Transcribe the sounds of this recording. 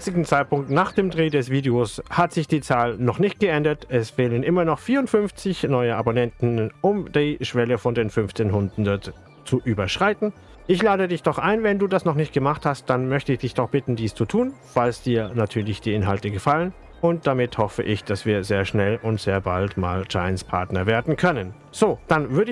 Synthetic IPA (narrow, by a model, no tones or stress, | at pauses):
t͡sɪɡŋ̩t͡saɪt̚pʊŋk̚tnaːχd̥eːmdʁeːdɛsv̥iːdeoshatz̥ɪçd̥iːt͡saːlnɔχnɪçt̚ɡ̥əʔɛndɐtʔɛsfeːlənʔɪmɐnɔχfiːɐʊntfʏnft͡sɪçnɔʏəabonɛntn̩ʔʊmdiːʃv̥ɛləfɔndeːnfʏnft͡seːnɦʊndn̩dɔt | t͡suʔyːbɐʃʁ̥aɪtn̩ | ʔɪçlaːdədɪçd̥ɔχʔaɪnvɛnduːdasnɔχnɪçt̚ɡ̥əmaχthast̚d̥anmœçtəɪçd̥ɪçd̥ɔχb̥ɪtn̩diːst͡sutʰuːnfalsd̥iːɐnatʰyːɐlɪçd̥iːɪnɦaltəɡəfalən | ʔʊnt̚d̥amɪthɔfə̰ʔɪçd̥asv̥iːɐzeːɐʃnɛlʔʊntz̥eːɐba̰ltma̰ːld͡ʒaɪənspʰa̰ɐtnɐveːɐdn̩kʰœnən | z̥oːd̥anvʏɐɾə